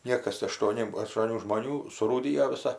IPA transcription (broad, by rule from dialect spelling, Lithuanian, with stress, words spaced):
ˈnʲiɛkɐs ɐʃtuɔˈnʲɪ ɐʃtuɔˈnʲuː ʒmoːˈnʲuː sʊruːˈdʲɪjoː ʋʲɪˈsɐ